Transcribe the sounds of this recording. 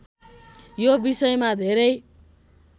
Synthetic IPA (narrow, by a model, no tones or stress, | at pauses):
jobisʌjmad̪ʱeɾʌj